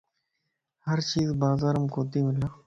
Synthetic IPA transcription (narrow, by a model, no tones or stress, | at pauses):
həɾt͡ʃiːzbaːzaːɾəmkoːt̪iːmɪlaː